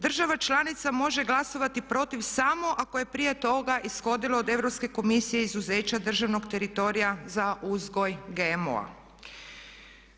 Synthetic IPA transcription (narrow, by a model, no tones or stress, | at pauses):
d̪r̩ʒaʋat͡ʃlˠanit̪samo̞ʒe̞ɡlˠaso̞ʋat̪ipɾo̞t̪iʋsamo̞ʔako̞je̞pɾije̞t̪o̞ɡaʔisxo̞d̪iloːd̪e̞ʋɾo̞pske̞ko̞misijeizuze̞ːt͡ɕad̪r̩ʒaʋno̞ɡt̪e̞ɾit̪o̞ɾijazaʔuzɡo̞jɡemo̰a̰